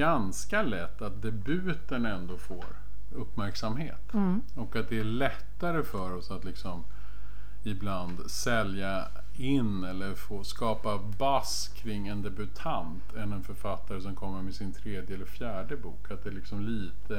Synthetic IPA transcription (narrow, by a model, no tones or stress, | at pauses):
ɡanskalɛt̪ːat̪̚d̪ɛbʉ̟ːt̪ənɛnd̪oːfo̰ːɾ | ɵpːmæɾksamhḛːt̪ | ɔkat̪̚d̪ɛæɭɛt̪ːaɾəfœɾɔsat̪lɪksɔm | ɪbland̪sɛlja | ɪnːɛlːəɾfoːskɑːpa | bas | kʰɾɪŋːɛnd̪ɛbɵt̪ʰant̪ʰɛnɛnfœɾfat̪ːaɾəsɔmkʰɔmːəɾmɛsɪnt̪ʰɾeːd̪jəɛlːəɾfjæːɖəbṵːkʰat̪̚d̪ɛlɪksɔmliːt̪ʰə